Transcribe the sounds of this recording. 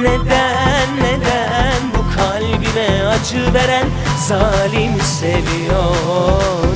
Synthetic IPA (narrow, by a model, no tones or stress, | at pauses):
ned̪æ | nːed̪æ | nbukʰalʲbimɛad͡ʒɯve̞ɾæn | zaːlʲimsevijo | ɾ